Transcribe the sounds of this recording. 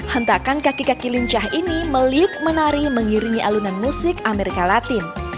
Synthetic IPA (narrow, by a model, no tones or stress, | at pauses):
hənt̪akankakikakiliɲt͡ʃaɦiniməliʊk̚mənaɾiməŋiɾiŋiʔalunanmusɪkameɾikalat̪ɪn